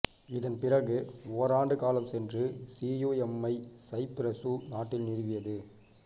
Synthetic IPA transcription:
ɪðɐnpɪrɐɣɯoːɾaːɳɖɯkaːlɐmsɛndrɯsiːjoːɛmːɐɪsɐɪpɾɐsunaːʈːɪlnɪɾɯʋɪjɐðɯ

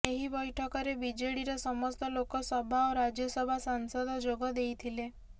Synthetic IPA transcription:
eɦibɔjʈʰɔkɔɾebid͡ʒeɽiɾɔsɔmɔst̪ɔlokɔsɔbʱaoɾad͡ʒjɔsɔbʱasaŋsɔd̪ʱɔd͡ʒoɡɔd̪ejt̪ʰile

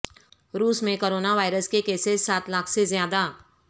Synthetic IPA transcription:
ɾuːsmẽkoːɾoːnaʋaːɪɾəskekeːsɪssaːt̪laːkʰsezjaːd̪a

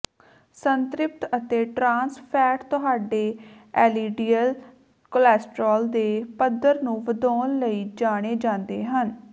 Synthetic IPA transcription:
sənt̪ɾɪp̚t̪ət̪eːʈɾãːnspʰɛːʈt̪ʊɦaːɖeːɛːliːɖiːəl | kəlɛːsʈɾoːld̪eːpəd̪əɾnũːʋəd̪ɔːnləiːd͡ʒaːɽ̃eːd͡ʒãːnd̪eːɦən

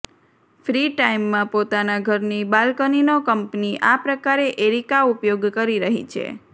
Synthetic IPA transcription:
fɾiʈaimːãpot̪anaɡʱəɾnibalkəninokəmpniʔapɾəkaɾeʔeɾikaupjoɡkəɾiɾəɦḭt͡ʃʰḛ

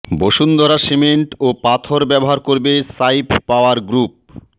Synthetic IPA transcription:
boʃund̪ʱɔɾasemeɳʈopat̪ʰoɾbɛboɦaɾkoɾbesajpːaoaɾɡɾup̚

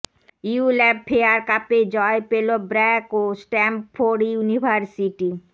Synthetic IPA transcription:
iulɛbpʰeaɾkaped͡ʑɔepelobɾɛkosʈɛmpfoɖijunibʱaɾsiʈi

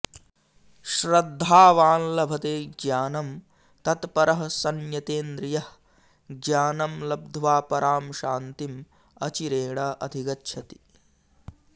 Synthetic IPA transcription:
ʃɾɐd̪ʱːaːʋaːnlɐbʱɐt̪eːɡjaːnɐm | t̪ɐt̪pɐɾɐɦɐsɐnjɐt̪eːnd̪ɾijɐh | ɡjaːnɐmlɐb̚d̪ʱʋaːpɐɾʔaːmʃaːnt̪im | ɐt͡ʃiɾeːɽaːʔɐd̪ʱiɡɐtːʃʰɐt̪i̥

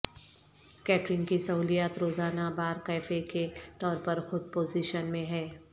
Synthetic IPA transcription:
kɛːʈɾɪnkisɐɦuːlijaːt̪ɾoːzaːnabaːɾkɛːfeket̪ɔːɾpɐɾxʊd̪̚poːziːʃənmẽɦɛː

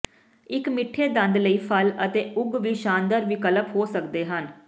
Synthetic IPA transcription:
ɪkmɪʈʰːeːd̪ənd̪ləiːpʰələt̪eːʊɡʋiːʃãːnd̪əɾʋiːkələpɦoːsəkd̪eːɦən

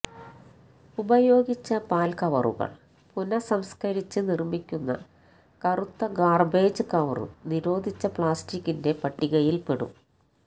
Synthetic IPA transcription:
ubɐjo̞ːɡit͡ɕːɐpaːlkɐʋɐ̰rṵɣɐ̰ɭ | punɐsɐmskɐɾit͡ɕːɨnirmikʲːunːɐ̰ | kɐrut̪ːɐɡaːrbeːd͡ʑɨkɐʋɐ̰rṵniɾo̞ːd̪ʱit͡ɕːɐpɭaːstikːinde̞pɐʈːiɣɐjilpeɽṵm

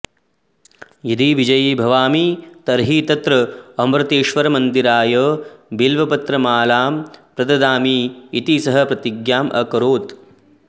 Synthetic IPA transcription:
jid̪iʋid͡ʒɐjiːbʱɐʋaːmit̪ɐɾɦiːt̪ɐt̪ɾɐɐmɾɐt̪eːʃʋɐɾɐmɐnd̪iɾaːjɐbilʋɐpɐt̪ɾɐmaːlaːmpɾɐd̪ɐd̪aːmiːt̪isɐɦɐ̆pɾɐt̪iɡjaːmʔɐ̰kɐɾoːt̪

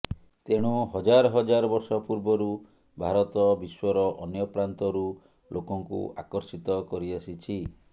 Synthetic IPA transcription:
t̪eɽ̃uɦɔd͡ʒaɾɔɦɔd͡ʒaɾɔbɔɾsɔpuɾbɔɾu | bʱaɾɔt̪ɔbiswɔɾɔʔɔnjɔpɾant̪ɔɾu | lʔokɔŋkṵa̰kɔɾsit̪ɔkɔɾiasit͡ʃʰi

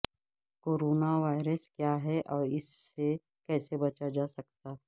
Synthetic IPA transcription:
koːɾoːnaʋaːɪɾəskjaːɦɛʔɔːɾɪsːe | kɛːsebɐt͡ʃad͡ʒaːsɐk̚t̪aː

